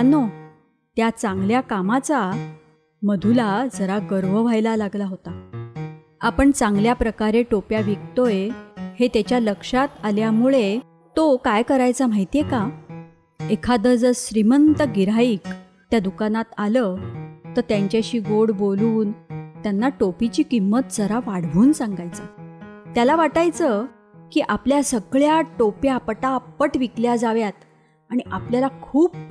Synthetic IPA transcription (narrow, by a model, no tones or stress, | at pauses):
no | t̪jat͡sãŋɡljakamat͡sa | məd̪ʱulad͡zəɾaɡəɾʋəʋajlalaɡlaɦot̪a | apəɳt͡sãŋɡljapɾəkaɾeʈopjaʋikt̪ojehet̪jat͡ɕjaləkʂat̪aljamuɭe | t̪okajkəɾajt͡sam̤ajt̪ijeka | ekʰad̪əd͡zəɕɾimənt̪əɡiɾaiːk | t̪jad̪ukanat̪alət̪əɾt̪jaɲt͡ɕjaɕiːɡoɽboluːnt̪janːaʈopit͡ɕiːkimːət̪̚d͡zəɾaʋaɽ̤ɡʱuːnsãŋɡajt͡sat̪jalaʋaʈajt͡sə | kiːʔapljasəɡɭjaʈopjapəʈapəʈʋikljad͡zaʋjat̪ | aɽ̃iʔapljalakʰuːp̚